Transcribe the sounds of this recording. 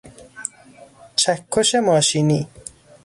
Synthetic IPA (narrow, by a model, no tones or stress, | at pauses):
t͡ʃʰækʰːoʃemɔːʃini